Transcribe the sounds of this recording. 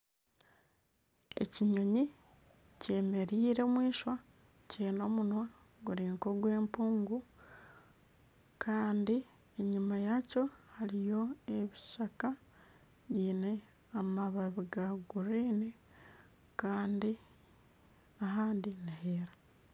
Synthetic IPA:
e̞̰ciɲo̞ɲi | ce̞ːme̞ɾiːɾe̞mwiːʃwa | ceːno̞ːmunwa | ɡuɾiːŋko̞ɡwe̞ːmpuːŋɡu | kʰaːndi | e̞ɲumajaco̞haɾijo̞eβiʃaka | βiːne̞ | amaβaβiɡaɡuɾiːni | kaːndi | aɦaːndinaheːɾa

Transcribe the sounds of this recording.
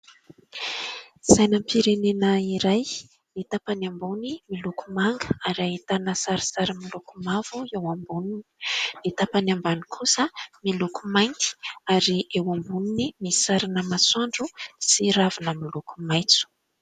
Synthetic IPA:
sajnəmpʰiɾenenəiɾaj | nit̪apanambunimilukumaŋɡəaɾiaɦit̪anəsaɾisaɾamilukumav̥uewambunininit̪apanambanikʰusəmilukumajŋki̥aɾiʔewambuninimisaɾanəmaswaɳɖ͡ʐusiɾavunamiluku̥majt͡su̥

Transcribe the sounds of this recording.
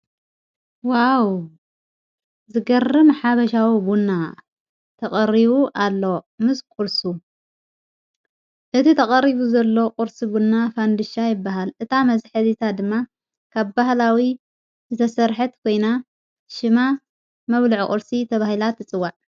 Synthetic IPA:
waw | zɨɡɐrɨmħaβɐʃawibunːa | t̪ʰɐkʼɐrːiβuʔalːo̞mɨskʼʊɾsu | ʔɨt̪ʰit̪ʰɐkʼɐriβuzɐlːo̞qʼʊɾsibunːafand̪ɨʃajɪbːaɦalʔɨt̪ʰamɐzħɨzit̪ʰad̪ɨmːa | kʰaβbahlawi | zɨt̪ʰɐsɐɾħɨt̪kʰo̞jna | ʃɨma | mɐβlɨʕ̰kʼɨɾsit̪ʰɐβahilat̪ːɨt͡sʼɨwːaʕ

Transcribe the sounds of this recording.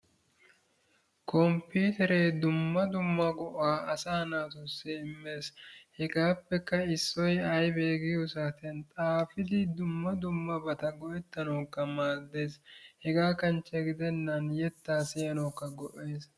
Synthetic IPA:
kʰɔmpiːt̪ɛɾeːd̪ʊmːɐd̪ʊmːɐɡɔʔaːɐsaːnaːt̪ɔsːɛɪmːe̞ːshɛɡaːpːɛkːɐɪsːɔjɐjbe̞ːɡɪjusaːt̪ɛnt̪ʼaːfɪd̪ɪd̪ʊmːɐd̪ʊmːɐbɐt̪ɐɡɔʔɛt̪ːɐnoːkːɐmaːd̪e̞ːshɛɡaːkɐnt͡ʃːɛɡɪd̪ɛnːɐnjɛt̪ːaːsɪjɐnoːkːɐɡɔʔe̞ːs

